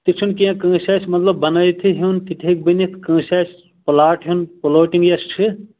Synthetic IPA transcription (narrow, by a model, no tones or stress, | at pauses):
t̪it͡ʃʰunkiãkə̃ːsɐsmɐt̪ləbːɐnɐjt̪ʰiɦint̪iʈʰek̚binit̪ʰkə̃ːsas | plaːʈɦunpoloːʈiŋɡjest͡ʃʰi